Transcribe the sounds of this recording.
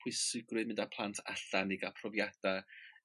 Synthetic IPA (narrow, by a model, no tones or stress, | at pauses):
pʰwɪsɨɡrɨðmɪndapʰlˠantʰa̰ɬanɪɡapʰrɔvjad̥a